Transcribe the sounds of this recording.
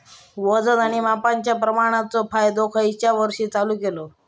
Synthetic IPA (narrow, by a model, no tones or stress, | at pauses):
ʋəd͡zənaɽ̃imapaɲt͡ɕjapɾəmaɽ̃at͡sɔpʰajd̪okʰait͡ɕjaʋəɾʂiːt͡saluːkelo